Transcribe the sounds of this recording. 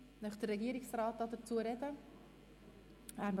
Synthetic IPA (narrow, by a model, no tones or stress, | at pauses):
nœχd̥ərːɛɡiəɾɪksrɑːt̚dɑdəɾt͡suəɾɛdə | æːɾm